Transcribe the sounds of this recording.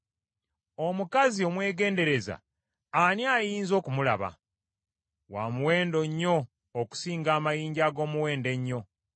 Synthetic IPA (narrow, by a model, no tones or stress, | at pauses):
omukazio̞mwe̞ːɡe̞ːnde̞ɾe̞za̰ː | niaːjiːnzo̞ːkumula̰βa̰ | waːmuwe̞ːndo̞ɲːo̞ː | ku̥siːŋɡaːmajiːɲɟaːɡo̞ːmuwe̞ːnde̞ɲːo̞